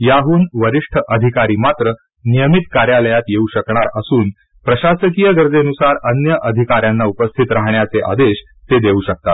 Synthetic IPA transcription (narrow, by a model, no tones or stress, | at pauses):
jaɦuːnʋəɾiʂʈʰəʔəd̪ʱikaɾiːmat̪ɾə | nijəmit̪kaɾjaləjat̪jeuɕəkɳaɾəsuːn | pɾəɕasəkijəɡəɾd͡zenusaɾənjəʔəd̪ʱikaɾjanːaupəst̪ʰit̪ɾaɦɳjat͡seʔa̰d̪eɕ | t̪ed̪euːɕək̚t̪at̪